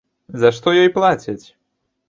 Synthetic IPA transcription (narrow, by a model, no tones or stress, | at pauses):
zɐʂt̪ɔjɔjplˠat͡sʲɪt͡sʲ